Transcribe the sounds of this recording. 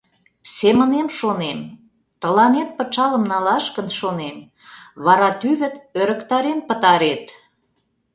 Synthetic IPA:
semənemʃonem | t̪ə̆lɑnet̪̚pə̆t͡ʃɑləmnɑlɑʃkənʃonem | βɑɾɑt̪yβə̆t̪øɾə̆kt̪ɑɾenpət̪ɑɾet̪

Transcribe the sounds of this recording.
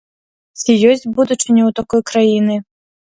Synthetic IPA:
t͡sʲijɔsʲd͡zʲbud̪ut͡ʂɨnʲɛwt̪akɔjkɾajinɨ

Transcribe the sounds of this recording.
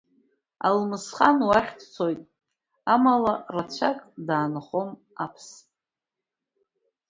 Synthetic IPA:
a̰lmɨsχanwaχʲtʰt͡sʰo̞jtʼ | amalarat͡ɕʷʰakʼdaːnχom | apʰs

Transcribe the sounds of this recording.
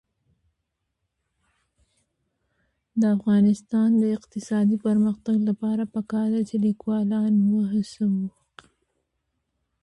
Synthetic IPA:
d̪əafɣɑnɪst̪ɑnd̪əɪqt̪ɪsɑd̪ipəɾməxt̪aɡlapɑɾapəkɑɾd̪at͡ʃelikwɑlɑnwəɦasawu

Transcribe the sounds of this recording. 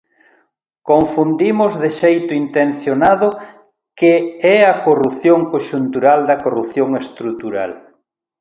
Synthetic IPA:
koɱfund̪imʊzðɪʃejt̪ʊint̪en̟θjonaðʊ | keɛɐkorupθjoŋkoʃunt̪uɾald̪ɐkorupθjoŋest̪ɾut̪uɾa̰l

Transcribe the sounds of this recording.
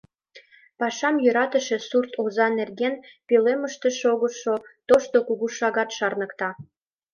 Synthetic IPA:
pɑʃɑmjyɾɑt̪ə̆ʃĕsurt̪ʰozɑnerɡenpeleməʃt̪ĕʃoɣoʃot̪oʃt̪okuɣuʃɑɣɑt̪ʃɑrnə̆kt̪ɑ

